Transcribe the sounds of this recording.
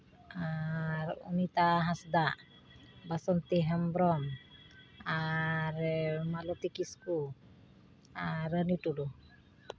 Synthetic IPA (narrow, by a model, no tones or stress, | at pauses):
aɾṵnit̪aɦasd̪aʔ | basɔnt̪eɦambɾɔm | aɾmalɔt̪ikisku | aɾəniʈuɖu